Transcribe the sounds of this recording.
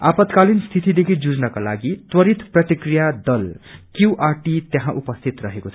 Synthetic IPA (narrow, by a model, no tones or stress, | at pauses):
apʌt̪kalinst̪ʰit̪id̪ekʰid͡zud͡znʌkalaɡit̪wʌɾit̪prʌt̪ikrijad̪ʌlkjiwʔarʈit̪jaɦãʔupʌst̪ʰit̪rʌɦekot͡sʰ